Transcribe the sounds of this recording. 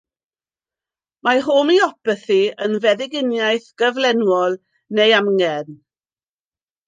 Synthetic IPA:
maɦoːmiɔpəθiənvɛðɪɡɪnjajθɡ̥əvlɛnwɔlˠ | nejamŋɛn

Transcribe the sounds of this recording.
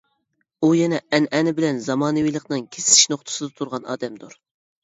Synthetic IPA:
ujɛnɛɛnɛnɪbɪlɛnzɑmɑːnɨwijlˠəqnɨŋkʲʰesɪ̥i̥ʃnoχt̪ʰɨ̥sɨd̪ɛt̪ʰuɾʁɑnɑ̰ːd̪ɛmd̪uɾ

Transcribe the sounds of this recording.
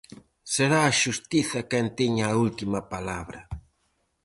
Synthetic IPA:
seɾaːʃust̪iθɐkɛnt̪iɲaːult̪imɐpalaβɾɐ

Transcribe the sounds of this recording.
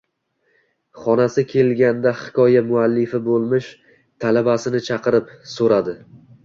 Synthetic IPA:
χɒnasɪkʲʰe̞lɡʲand̪ahɪ̥kʲɒjamʊalːɪfɪbolˠmɪʃ | t̪ʰalabasɪnɪt͡ʃʰɑqʰɨɾɪpsoɾad̪ɪ

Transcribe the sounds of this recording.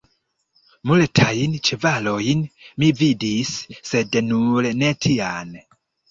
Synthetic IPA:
mulɛtʰajint͡ʃɛvalojinmividisːednulenɛtʰian

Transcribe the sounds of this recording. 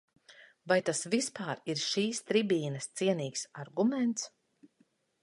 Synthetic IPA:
vajt̪asvispaːɾiɾʃiːst̪ɾibiːnɐst̪siɛniːksaɾɡumɛnt̪s

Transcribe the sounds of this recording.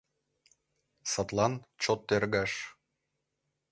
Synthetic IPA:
sɑt̪lˠɑnt͡ɕot̪ːerɣɑʃ

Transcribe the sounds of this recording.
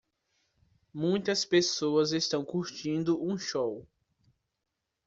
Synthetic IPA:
mũj̃t̪ɐspesoɐzest̪ɐ̃w̃kuɾt͡ʃĩnd̪ʊʔũʃow

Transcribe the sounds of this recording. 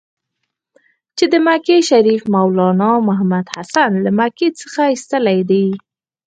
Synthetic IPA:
t͡ʃed̪əmakeʃaɾifmawlɑnɑmʊɦamad̪hasanlamaket͡sə̥xaist̪əlajd̪aj

